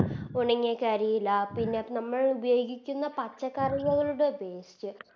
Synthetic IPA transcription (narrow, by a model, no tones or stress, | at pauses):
oɳiŋːekːaɾijilːɐpinːenɐmːɐɭubɐjo̞ːɡikʲːunːɐpɐt͡ɕːɐkːarɽjɐɣɐɭuɽebeːstɨ